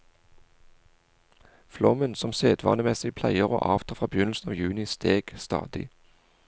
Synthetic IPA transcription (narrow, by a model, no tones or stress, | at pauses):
flɔmənsɔmseːd̪ʋɑ̰ːnəmɛsɪpʰlæɪəʁo̰ːʔɑːʋt̪ʰɑːfʁɑːbəjʏnl̩sn̩ɑːʋjʉːnɪst̪eːɡ̥st̪ɑ̰ːd̪̥ɪ̰